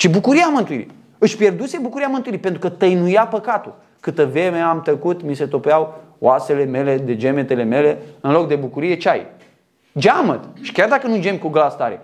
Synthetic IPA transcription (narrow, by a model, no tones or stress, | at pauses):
t͡ʃibukuɾiamɨnt̪uḭɾḭ | ɨʃʲpje̞rd̪use̞bukuɾijamɨnt̪ujiɾipent̪ɾukət̪əjnujapəkat̪ul | kɨt̪əvɾe̞meamt̪əkut̪mise̞t̪o̞peaw | oase̞le̞me̞le̞d̪e̞d͡ʒe̞me̞t̪e̞le̞me̞le̞ɨnlo̞k̚d̪e̞bukuɾije̞t͡ʃaj | d͡ʒamət̪ʃi̥kʲard̪akənud͡ʒemʲkuɡlast̪aɾḛ